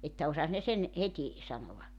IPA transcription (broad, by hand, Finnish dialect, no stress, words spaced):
etːæ osɑs ne sen heti sɑnoʋɑ